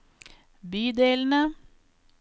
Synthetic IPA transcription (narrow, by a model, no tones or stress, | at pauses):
byːd̪eːln̩ə